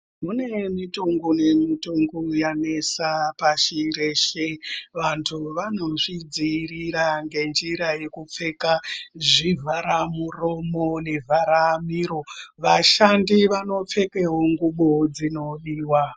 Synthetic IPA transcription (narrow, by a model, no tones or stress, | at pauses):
mune̞mitoŋɡune̞mitoŋɡujane̞sapaʃiɾeʃeʋantʰuʋano̞ʐid͡ziriɾaŋɡe̞nd͡ʒiɾaje̞kup͡fe̞kaʐivʱaɾamuro̞mone̞vʱaɾamiɾo̞ʋaʃandiʋano̞p͡fe̞keɦoŋɡuɓod͡zino̞ɗiːwa